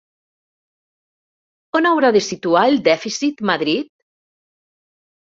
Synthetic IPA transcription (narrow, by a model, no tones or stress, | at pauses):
onawɾaðesit̪uaeld̪ɛfisit̪maðɾit̪̚